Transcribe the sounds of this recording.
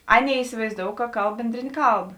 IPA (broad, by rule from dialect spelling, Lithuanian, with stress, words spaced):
ˈɑːˌnʲeːɪ ɪsʲɪʋɐɪzˈdoːʊ kɐ ˈkɐlˠp ˈbʲɛnʲdʲrʲeːnʲeː ˈkɐlˠp